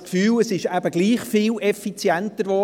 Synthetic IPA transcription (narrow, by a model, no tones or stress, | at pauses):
kfyːləsɪʃæbəɡliːχfilɛfit͡sjɛntəɾʋo